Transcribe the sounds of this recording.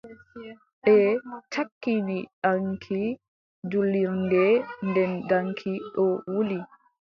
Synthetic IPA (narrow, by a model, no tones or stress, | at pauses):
ɓɛtʰakːiniɗaŋkʰi | d͡ʒulːiɾndɛndɛndaŋkʰiɗɔwuli